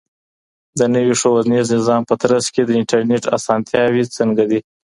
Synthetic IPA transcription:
d̪ənəwiʂowazniznɪzɑmpət̪ɾasked̪əɪɳʈaɾneʈa̰sɑnt̪ʰjɑwit͡səŋɡad̪i

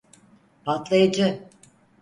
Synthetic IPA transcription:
pat̪lˠajad͡ʒɯ

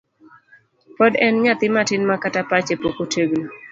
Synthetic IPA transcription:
pɔdɛnɲat̪ɪmatɪnmakatapat͡ʃepokotʰeɡno

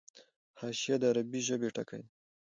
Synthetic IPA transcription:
hɑʃijad̪əaɾabiʒəbeʈa̰ka̰j

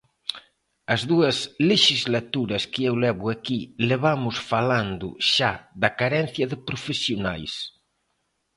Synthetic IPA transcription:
ɐzðuɐsleʃizlat̪uɾɐskɪewlɛβʊakileβamʊsfaland̪ʊ̰ʃad̪ɐkaɾɛn̟θjɐðɪpɾofesjona̰js

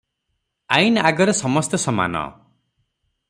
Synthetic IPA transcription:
ajnaɡɔɾesɔmɔst̪ɔsɔma̰nɔ̰

